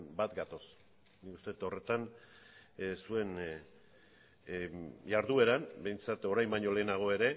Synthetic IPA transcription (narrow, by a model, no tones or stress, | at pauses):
bat̪ɡat̪o̞s | nikust̪e̞et̪o̞re̞t̪an | sue̞n | jaɾðue̞ɾanbe̞jnt͡sat̪o̞ɾajmbajɲo̞le̞ːnaɣ̞o̞e̞ɾe̞